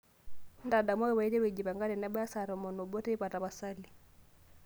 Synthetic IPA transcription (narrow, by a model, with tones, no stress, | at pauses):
n˦da˨da˨mwa˦wɛ˦wa˨i˦te˦we˨d͡ʒi˨pa˨ŋɡa˦tɛ˨nɛ˦ɓa˦ja˦sa˨ɾɔ˨mɔ˨nɔ˨bɔ˦tɛ˦i˦pa˨ta˨pa˨sa˦li˨